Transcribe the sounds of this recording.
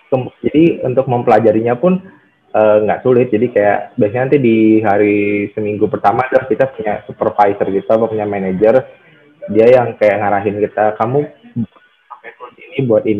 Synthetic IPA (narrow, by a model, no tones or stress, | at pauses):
kəmd͡ʒadiunt̪ʊk̚məmpəlad͡ʒaɾiɲapʊn | əːŋɡa̰ʔsulɪt̪̚d͡ʒadikaja̰ʔbias̬ɲanant̪idiɦaɾisəmiŋɡupərt̪amaːdəlaskit̪apuɲasupərfajsərkit̪apapuɲamaned͡ʒər | diajaŋkajaʔŋaɾaɦɪnkit̪akamu | sampasulɪt̪̚inibuat̪ini